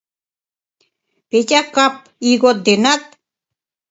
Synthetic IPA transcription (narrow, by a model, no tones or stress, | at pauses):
pet̪ʲakap̚ | iɣot̪̚ːenat̪̚